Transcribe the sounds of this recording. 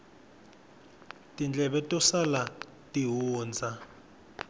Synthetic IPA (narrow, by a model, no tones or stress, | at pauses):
tʼind͡ɮʱɛɓɛtʼɔsala | tʼiɦuːnd͡zʱa